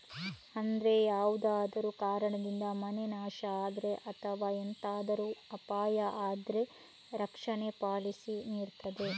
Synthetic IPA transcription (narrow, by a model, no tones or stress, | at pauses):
ɐnd̪ɾe̞jaːʋud̪aːd̪ɐɾukaːɾɐɳɐd̪ind̪ɐmɐne̞naːʃɐaːd̪ɾe̞ʔɐt̪ʰɐʋaːent̪aːd̪ɐɾuɐpaːjɐʔaːd̪ɾe̞ | ɾɐkʂɐne̞paːɭisiniːɾt̪ɐd̪e̞